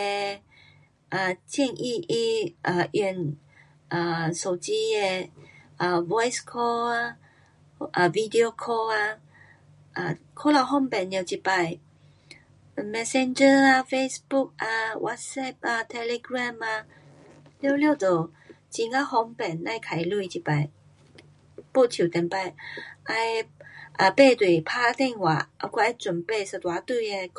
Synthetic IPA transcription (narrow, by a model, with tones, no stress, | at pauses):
ɛ˧ | ʔa˨˩tʰi˥˧˨ŋʔi˥˧ʔi˧ʔa˨ʔɛ˧˩˨n | ʔa˨˩so˨ti˧˦ɛ˧ʔə˨vɔ˦jskʰɔ˧a˧ | ʔə˨vi˧di˧o˧kʰɔ˧a˧ | ʔa˨ | kʰo˦la˧˩wɦɔ˥˨mbɛ˨njɛ˨t͡ʃi˨˧pa˧˨j | mɛ˧sɛ̃˧nd͡ʒə˧a˧fe˧sbu˥˨k̚a˧wʔa̰˧˥t̚sɛ˥˩p̚a˧t̪ʰɛ˧le˧ɡɹa˥˧˨ma˧ | ljo˥˧ʊljo˥˧˨t̪o˨˩ | t͡ɕi˧ŋa˧˦hɔ˧˥ŋpɛ˨˩nla˥˧jkʰa˨˩jlu˧˩˨t͡ɕi˨pa˨˩j | po˥˧t̪ʰi˨˩˨t̪ɛ̃˨˩npa˧˩jʔa˧jʔa˨˧pe˥˧t̪we˨˩pʰa˥˧t̪ɛ˥˧˨ŋwa˨˩ʔa̰˧˩kwa˧˩a˧˩t͡swə˨˩npe˥˧˨sə˨˩t̪wa˨˧˦t̪wu˥˩je˧˩k